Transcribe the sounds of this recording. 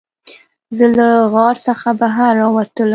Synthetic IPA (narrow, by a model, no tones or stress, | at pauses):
zəlaɣɑɾsəxabaɦaɾːɑwat̪əl